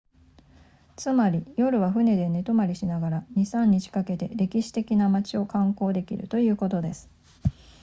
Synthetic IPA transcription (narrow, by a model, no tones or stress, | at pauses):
t͡sɨmaɾʲijo̞ɾɯ̟βaɸɯ̟ne̞d̪e̞ne̞t̪o̞maɾʲiɕinaɡaɾaɲ̟isãɲ̟ːit͡ɕi̥kake̞t̪e̞̰ɾe̞kʲiɕi̥t̪e̞kʲinamat͡ɕio̞kãŋko̞ːd̪e̞kʲḭɾɯ̟̰t̪o̞jɯ̟ːko̞t̪o̞d̪e̞sɨ̥